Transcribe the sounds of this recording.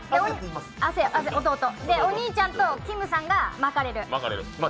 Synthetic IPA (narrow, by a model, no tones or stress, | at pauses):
d̪eo | aseʔaseot̪o̞ːt̪od̪e̞oɲ̟iːt͡ɕãnt̪o̞kʲimɯ̟sãŋɡamakaɾe̞ɾɯ̟makaɾeɾɯ